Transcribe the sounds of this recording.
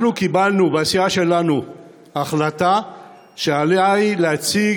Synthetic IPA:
nukibalnubasiaʃe̞lanu | aχlata | ʃealeaileat͡si

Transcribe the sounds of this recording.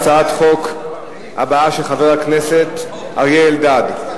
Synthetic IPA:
t͡saat̪χo̞k | a̰baaʃeχaveʁakneset̪ | a̰ʁjeːldad

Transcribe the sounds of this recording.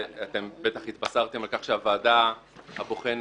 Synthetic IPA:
at̪e̞mbet̪aχhit̪basaʁt̪e̞malkaχʃeavaːdahabo̞χen

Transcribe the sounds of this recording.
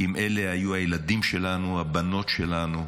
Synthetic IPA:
imʔele̞hajuajeladimʃe̞lanuabano̞tʃelanu

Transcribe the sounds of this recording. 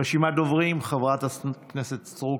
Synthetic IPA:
eʃimad̪ovʁimχavʁat̪akneset̪sʁu

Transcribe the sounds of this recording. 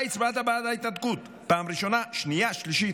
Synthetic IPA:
jt͡sbat̪abad̪ajt̪at̪̚kut̪ | pamɾiʃonaʃniaʃliʃi

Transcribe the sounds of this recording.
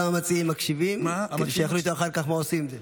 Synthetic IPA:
amamat͡siimːakʃivimkedeʃejaχluot̪oaχaʁkaχmaosimimze

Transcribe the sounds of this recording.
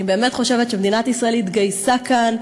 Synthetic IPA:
ibe̞ːme̞t̪χo̞ʃe̞vetʃemd̪inat̪isʁaelit̪ɡajsakan

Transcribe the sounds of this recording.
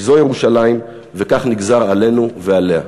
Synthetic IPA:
zojeʁuʃalaim | ve̞kaχniɡzaʁale̞nuveale̞a

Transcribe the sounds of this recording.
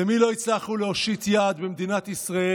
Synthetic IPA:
emilo̞it͡slaχuleoʃit̪jaːd̪bemd̪inat̪isʁae

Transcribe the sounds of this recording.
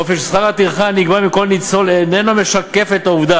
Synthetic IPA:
ofeʃsχaʁat̪iʁχaniɡbamiko̞lnit͡so̞lenenome̞ʃake̞fe̞t̪auvd̪a

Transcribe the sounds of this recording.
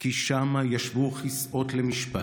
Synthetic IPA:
kiʃamajaʃvuχisʔo̞t̪lemiʃpa

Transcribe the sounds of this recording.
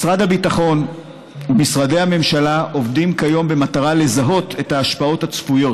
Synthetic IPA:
sʁadhabitaχo̞n | umisʁade̞jhame̞mʃalaʔo̞vdimkajo̞mbe̞mataʁale̞zaɦo̞tʰe̞taːʃpao̞that͡sfujo̞

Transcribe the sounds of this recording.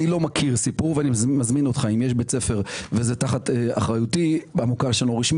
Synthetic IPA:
ilo̞makʰiʁsipuʁveanimazminotχaimjeʃbet͡sefeʁvezetaχatea̰χʁajutibamukaʁʃeloʁiʃm

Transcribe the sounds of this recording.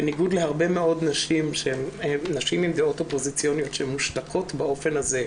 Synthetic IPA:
eniɡud̪lehaʁbe̞meo̞d̪naʃimʃeemenaʃimimd̪eo̞topo̞zit͡sijonijo̞t̪ʃeemːuʃtakʰo̞t̪bao̞fe̞nhaze̞

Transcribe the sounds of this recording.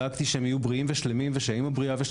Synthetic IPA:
akt̪iʃeemiajubʁiimveʃlemimveʃaaimhabʁiaveʃ

